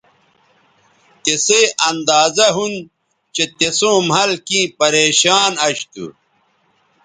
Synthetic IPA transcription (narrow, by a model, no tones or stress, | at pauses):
t̪eseɐnd̪aːzɐɦun | t͡ɕet̪esõːmɦɐlkĩːpɐɾeːɕaːnɐɕt̪ṵ